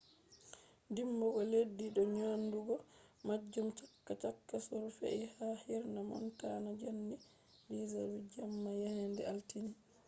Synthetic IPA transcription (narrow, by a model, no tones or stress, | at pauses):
ndimbɔɡɔledːiɗɔɲonduɡɔmad͡ʒːumt͡ʃakːat͡ʃakːasoɾufḛʔihahiɾnamɔ̰ntanad͡ʒanːi | lizawid͡ʒamːajahɛndɛaltini